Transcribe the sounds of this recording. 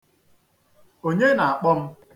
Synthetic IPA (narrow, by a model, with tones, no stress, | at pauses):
o˦ɲe˦na˨a˨k͡pɔ˦m̩˦